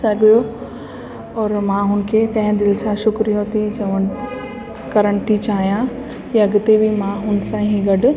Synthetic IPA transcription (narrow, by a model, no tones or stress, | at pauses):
sɐɡjo | ɔːɾmãɦʊn̆kʰeːt̪ɐ̃ɦɪ̃d̪ɪlsãʃʊkɾijõt̪ʰit͡ɕɐʋən | kɐɾəɽ̃t̪ʰit͡ɕaːɦijã | jɐɡɪt̪ebimãɦʊnsãɦĩɡɐɖʊ̆